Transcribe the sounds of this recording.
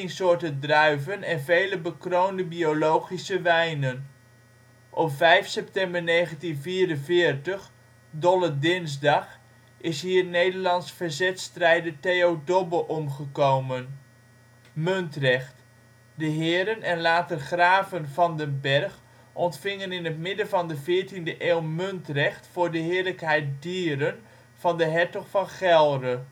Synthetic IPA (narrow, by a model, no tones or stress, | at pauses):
ɪŋsʊːɹtədrœɥvənɛnvejləbəkrowndəbiowlowχisəʋɛjnən | ʔɔpvɛjfsɛp̚tɛmbəɹnejχəntinviːɾənvɪːɹtəχ | dɔlədɪnzdɑχ | ɪsɦiːɹnejdəɹlɑnsfəɹzɛtstrɛjdətejowdɔbəʔɔmχəkowmən | mɵntrɛχt | dəɦɪːɾənʔɛnlaːtərχraːvənvɑndəbɛrχ | ʔɔntfɪŋənɪnətmɪdəvɑndəvɪːɹtindəʔeːlˠmøntrɛχtfʊːɹdəɦɪːɹləkɦɛjt̚diːɾən | v̥ɑndəɦɛɹtɔχfɑnχɛlˠrə